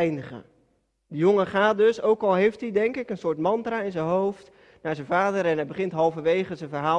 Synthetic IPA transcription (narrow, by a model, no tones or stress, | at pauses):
ɛjndəχə̰ | dəjoŋəχaːt̚døsowkɔlˠɦejftdidɛŋkɪkənsʊːɹtmɑntraɪnzənɦowft | naːɹzənvaːdəɾɛnɦɛjbəχɪntɦɑlˠvəʋejχəzənvərɦaː